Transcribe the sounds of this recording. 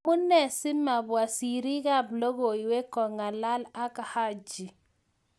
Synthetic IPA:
ʊ˦nɛ˨sɪ˦ma˨bwa˨si˨ɾi˦ɣa˦blo˦ɣo˨i˨we˦kɔ˨ŋa˨la˦la˦ka˨ha˦d͡ʒi˨

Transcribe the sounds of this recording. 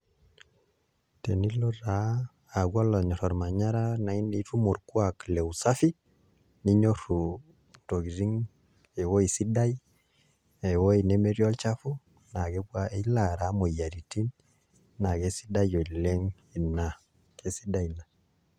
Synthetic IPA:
te˨ni˦lɔ˦ɾaː˨˦˨ | ɡwa˦lɔ˨ɲɔ˨ɾɔ˨ɾma˨ɲa˦ɾa˦na˨i˦ne˨˦tu˦mo˨ɾku˦a˨kle˨u˨sa˦fi˦ | ni˦ɲo˦ɾu˨ | to˨ɡi˨ɾi˦ŋ | e˨wo˦i˨si˦da˦j | e˨wo˦i˨ne˦me˦ɾjɔ˦lt͡ʃa˦fu˦ | na˨ɡe˦ɡwa˦e˦la˨ɾa˨˦mo˨ja˨ɾi˨ti˦n | na˨ɡe˨˦si̥˦da˦jo˨le˦ŋ | i˨na˨ | ke˨si˦da˦i˨na˨

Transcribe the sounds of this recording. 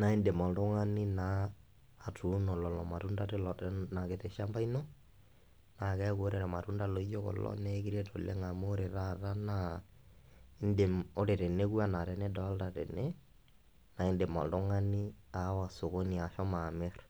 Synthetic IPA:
na˨i˦nde˨ma˨ldɔ˦ŋa˦ni˦naː˦˨ | tu˦nɔ˨lɔ˨lɔ˨ma˨ɾu˦nda˦ɾe˦lɔ˨tɛna˨ke˨tɛ˨ʃa˦mba˦ino˦ | na˨kɛ˦ko˦ɾɛ˨ɾɛ˨ma˨ɾu˦nda˦lɔ˨i˦d͡ʒo˦kɔ̰˨lɔ̰˦nɛ˦ki˦ɾe˦to˨le˦ŋa˨mo˦ɾe˨ɾa˦ɾa˦na | i˦nde˨mo˦ɾe˨ɾɛ˨ne˦ku˦a˦na˨ɾɛ˨nɛ˦dɔ˨˦lda˨ɾɛ̰˨ne˦ | na˨ɪ˦nde˨ma̰˨ldɔ˦ŋa˦ni˦ | a˨˦wa˨so˨ko˦ni˨a˨ʃɔ˦ma˨me˦ɾ

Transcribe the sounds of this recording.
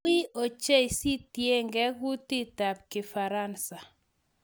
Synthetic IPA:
ɪ˦o˨t͡ʃe˦i˨si˦tje˦ŋɡɛ˦ɡu˦ti˦ta˨p̚kɪ˨fa˨ɾa˦˨nsa˨

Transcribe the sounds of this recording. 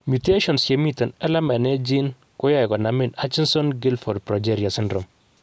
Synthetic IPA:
mu˨te˦ʃɔ˨nsje˨mi˦tɔ˨nɛ˦la˦mɛ˨ne˦d͡ʒi˦n | kʊ˦jɔ˦jkɔ˨na˨mɪ˨na˦t͡ʃɪ˦nsɔ˦nɡɪ˦lfɔ˨dpɾɔ˨d͡ʒɛɾja˨sɪ˦ndɾɔ˨m

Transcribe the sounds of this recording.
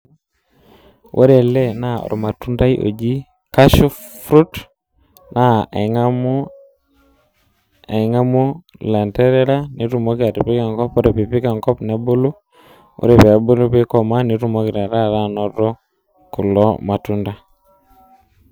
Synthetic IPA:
wʔo̰˦ɾe˨lɛ˦˨na˦˨ɔ̰˨ɾɔ̰˨ma˨tu˦nda˦jʔo̰˨d͡ʒi˦ | ka˦ʃu˦fɾu˦t | na˦˨m˦ | e˨ŋa˦mu˦ | la˨ntɛ˦ɾɛ˦ɾa˦ni˨˦ɾu˨mo˦ki˦a˨ɾi˨pi˦ka˨ŋkɔ˦po˦ɾe˨pi˨pi˦ka˨ŋkɔ˦pne˨˦bo˦lu˦ | o̰˦ɾe˨pɛ˨a˨˦bo˦lu˦pi˦kɔ˨ma˦ni˨ɾu˦mo˦ki˨ɾa˨ɾa˦˨ɾa˦nɔ˨ɾɔ˦ | ku˨lɔ˦ma˨tu˦nda˦

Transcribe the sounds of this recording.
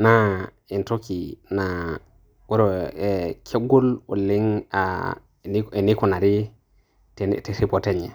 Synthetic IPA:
na˦ | i˨nto˦ki˨na˨ | wo˦ɾo˨e˨kʰe˦ɡo˦lwṵ˨lːi˦ŋa̰˦ | e˨ni˦ku˨na˨ɾi˦ | tte˨si˦po˨te˦ɲe˨

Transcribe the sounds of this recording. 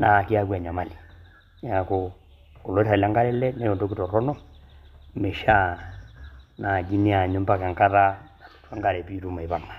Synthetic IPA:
na˨ki˦a˦kwa˨ɲa˨ma˨li˨ | ja˨ko | ko˨lɔ˨˦i˦ɾa˨la˦ŋɡa˦ɾɛ˦lɛ˦nɛ˦jo˨ndo˦ki˦tɔ˨ɾɔ˦nɔ˦ | me˨ʃa˦ | na˨ɡi˦ni˦a˨ɲo˦mba˦˨ka˨ŋka˦ɾa˦na˨tu̥˨twa˦ŋɡa˦ɾɛ˨pi˦ɾu˦ma˨i˨βa˨ma˨

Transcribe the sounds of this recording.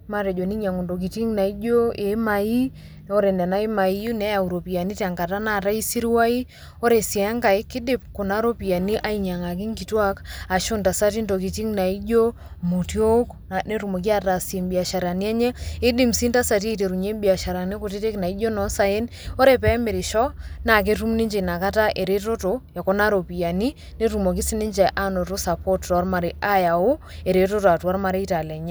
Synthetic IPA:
ma˦ɾɛ˨d͡ʒo˨ni˦ɲa˨ŋo˨ndo˨k̬i˨ti˦ŋna˨i˦d͡ʒo˦e˨˦ma˨i˦ | no˦ɾe˨ndɛ˨na˦i˦ma˨i˦u˦nɛ˦ja˨u˨ɾo˨pi˨a˨ni˦ta˨ŋɡa˨ta˦na˦˨ta˦i˦si˦ɾi˦wa˦i˦ | o˦ɾe˨sja˨a˦ŋɡa˨i˦kɪ˦dɪ˦p̚ku˨na˦ɾo˦pi˨a˨ni˦ʔa˦i˨ɲa˨ŋa˨k̬i˦ŋki˨twa˦ka˨ʃu˦nta˨sa˦t̬i˦ndo˨k̬i˨ti˦ŋna˨i˦d͡ʒo˦ | mu˨tjo˦k | ne˦ɾu˨mo˨k̬i˦a˦ra˨se˨mbi˨a˨ʃa˨ɾa˨ni˦ɛ˦ɲɛ˦ɪ˦di˦˨msi˦nta˦sa˨t̬i˦e˦te˨ɾu˨ɲe˦mbi˨a˨ʃa˨ɾa˨ni˦ko˨t̬i˦te˦kna˨i˦d͡ʒo˦nɔ˨˦sa˨e˦n | o˦ɾe˦pɛ˨˦me˨ɾi˨ʃɔ˦na˨k̬e˦tu˦mni˦ɲd͡ʒe˨na˨ka˦ta˦ʔe˨ɾe˦to˦to˨ja˨ko˦na˦ɾo˨pi˨ja˨ni˦ | ne˦tu˨mo˨k̬i˦si˦ni˦ɲd͡ʒɛ˨ʔa˦no˨to˦sa˨po˦ttwa˦ɾma˨ɾi˦ʔa˦ja˨o˦e˨ɾe˦to˦toa˨twa˦ɾma˨ɾe˦i˦ta˨la˨˦ɲɛ˦

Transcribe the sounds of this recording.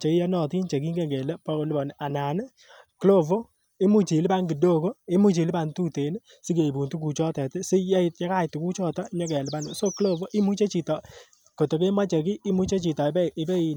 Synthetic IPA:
t͡ʃe˨˦ja˦nɔ˨ti˦nt͡ʃe˨ki˦ŋɡe˦˨ŋɡɛ˨le˦pa˦o˦lɪ˦bɔ˨n˨ʔa˨na˨n˦ | klo˦vo˦ | i˦mu˦t͡ʃi˨lɪ˦pa˦ŋɡi˨do˦ko˦e˦mu˦t͡ʃi˨lpa˨ntu˦te˨n˦ | si˦ke˨bu˨ntu˦k̬u˨t͡ʃɔ˦tɛ˨tɪ˦sɪ˦ja˦i˨tja˦ka˦˨tu˨ku˦t͡ʃɔ˦˨tɔ˦ɲɔ˦kɛ˨lɪ˨ba˦nʊ˨so˦klo˦vo˦ʔi˦mu˦t͡ʃe˦t͡ʃi˨tɔ˨ | ko˨to˨ke˦ma˦t͡ʃe˨ki˦i˦mu˦t͡ʃe˦t͡ʃi˨tɔ˨bɪ˦bɛ˦i˨

